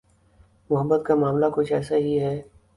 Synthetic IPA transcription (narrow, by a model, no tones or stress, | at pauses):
mʊɦəbːət̪̚kamaːmlakʊt͡ʃʰɛːsaɦiɦɛː